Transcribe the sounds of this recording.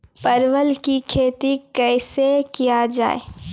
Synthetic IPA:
pəɾʋəlkikʰeːt̪ikɛːsekijad͡ʒa̰ːḛ

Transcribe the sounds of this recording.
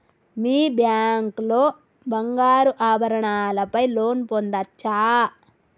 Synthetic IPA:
miːbjaːŋklo̞ː | bɐŋɡaːɾuʔaːbʱɐɾɐɳaːlɐpɐjlo̞ːnpond̪ɐt͡ʃːaː

